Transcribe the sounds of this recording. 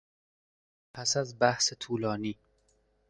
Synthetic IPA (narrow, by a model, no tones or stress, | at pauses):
pʰæsæzbæhset̪ʰuːlɒːniː